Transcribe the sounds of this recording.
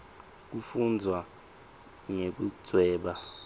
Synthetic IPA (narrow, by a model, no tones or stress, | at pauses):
k̬ufund͡zʱwa | ŋek̬ut͡swɛːɓa